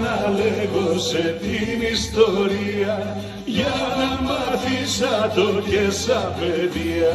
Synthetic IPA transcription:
naleɣoset̪inist̪oɾia | janamaɾtisat̪okesapeðia

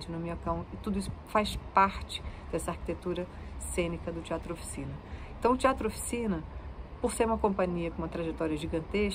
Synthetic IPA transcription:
t͡ʃɪnʊmeɐkɐ̃w̃ɪt̪ud̪ʊisʊ̥fajspaɾt͡ʃɪ̥d̪̥ɛsɐaɾki̥t̪et̪uɾɐsẽnikɐd̪ʊt͡ʃiat̪ɾofi̥sĩnɐẽnt̪ɐ̃w̃ʊt͡ʃiat̪ɾʊofi̥sĩnɐpoɾseɾũmɐkõmpɐ̃ɲiɐkõũmɐt̪ɾaʒet̪ɔɾiɐʒiɡɐ̃nt̪eʃ

